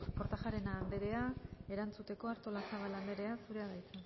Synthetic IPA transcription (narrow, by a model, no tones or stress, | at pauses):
po̞ɾt̪aʝaɾe̞naːnd̪e̞ɾe̞ae̞ɾant͡sut̪e̞ko̞aɾt̪o̞lasaβaland̪e̞ɾe̞asuɾe̞aðajt͡se